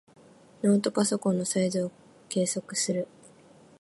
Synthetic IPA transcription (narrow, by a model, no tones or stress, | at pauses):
no̞ːt̪o̞kaso̞kõ̞nːo̞saizɨo | ke̞ːso̞kɯ̟̥sɨɾɯ̟